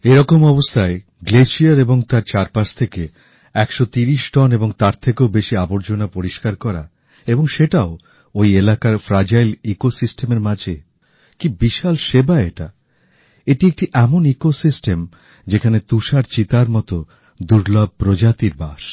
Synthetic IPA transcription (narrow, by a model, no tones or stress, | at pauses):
eɾɔkomɔbost̪ʰae | ɡleʃiaɾeboŋt̪aɾt͡ɕaɾpaʃt̪ʰeke | ɛkʃɔt̪iɾiʃʈɔneboŋt̪aɾt̪ʰekeobeʃiaboɾd͡ʑonapoɾiʃkaɾkɔɾa̰ | eboŋʃeʈao | ojelakaɾfɾad͡ʑajlikosisʈemeɾmad͡ʑʱe | kibiʃalʃebaeeʈa | eʈiek̚ʈiʔɛmonikosisʈem | d͡ʑekʰanet̪uʃaɾt͡ɕit̪aɾmɔt̪o | d̪uɾlab̚pɾod͡ʑat̪iɾbaʃ